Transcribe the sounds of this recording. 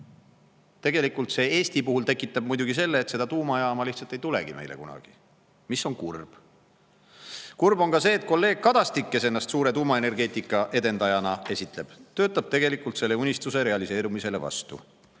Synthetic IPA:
t̪e̞ɡ̥e̞likˑult̪se̞ːe̞ːst̪ipuhult̪e̞kːˑit̪ːˑɑb̚mujd̪uɡ̥is̬e̞lːe̞ːt̪se̞d̪ɑt̪uːmɑjɑːmɑliht̪sɑlt̪ejt̪ule̞̰ɡ̥ime̞jlekunɑ̰ɡ̥ḭ | misːo̞nkurb̥ | kurbo̞nŋkɑse̞ːt̪̚ko̞lːe̞ːɡ̥̚kɑd̪̥ɑst̪ikːe̞se̞nːɑst̪suːɾet̪uːmɑe̞ne̞rɡe̞ːt̪ikːˑɑʔe̞d̪e̞nd̪̥ɑjɑnɑe̞sʲit̪le̞b̥t̪ø̞ːt̪ːˑɑb̥̚t̪e̞ɡe̞likːˑult̪se̞lːe̞unʲist̪use̞ɾe̞ɑlise̞ːɾumise̞le̞̰vɑ̰st̪ṵ

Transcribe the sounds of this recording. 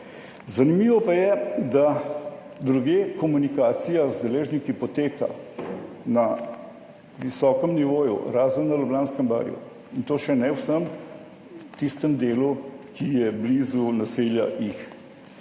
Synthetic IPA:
zɐnimiːʋɔpajɛd̪a | d̪ɾuɡeːkɔmunikaːt̪sijazd̪ɛleːʒnikipɔt̪eːka̰ | na | ʋisɔːkəmniʋoːjṵɾaːzənːɐlɔblaːnskəmba̰ːɾjṵ | int̪oːʃɛnɛwsəm | t̪ist̪əmd̪eːlukʰijɛblizunaselja̰jix

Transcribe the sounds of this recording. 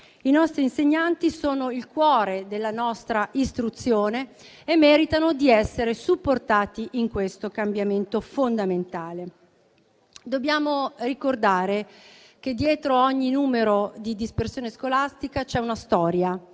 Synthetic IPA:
inɔst̪ɾiːnseɲːant̪isoːnoilkwɔːɾed̪elːanɔst̪ɾaʔist̪ɾut̪sːjoːne | emːɛːɾit̪anod̪iɛsːeɾesupːort̪aːt̪iʔiŋkwest̪okambjament̪ofond̪ament̪aːle | d̪obːjaːmorikord̪aːɾe | k̟ed̪ːjɛːt̪ɾoɔɲːinuːmeɾod̪id̪ispersjoːneskolast̪ikat͡ʃɛunast̪ɔːɾja

